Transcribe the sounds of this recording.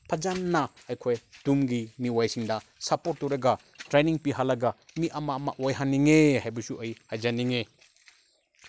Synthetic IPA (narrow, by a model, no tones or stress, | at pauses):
pʰɐd͡ʒanːɐːjkʰojd̥umɡimiwajsiŋdɐsɐpoɾt̚tːuɾeɡɐ | tɾeniŋpiɦalɐɡɐmiʔɐmamaʔojɦanːiŋehajbusuʔɐjhajd͡ʒaniŋe